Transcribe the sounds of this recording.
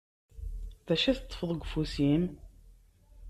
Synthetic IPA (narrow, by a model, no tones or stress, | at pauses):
ðæʃæθt̪ˤːə̥fəðˤəɡʷfusim